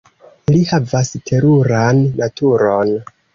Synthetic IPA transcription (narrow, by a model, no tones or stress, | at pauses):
lihavastʰe̞ɾuɾanːatʰuɾo̞n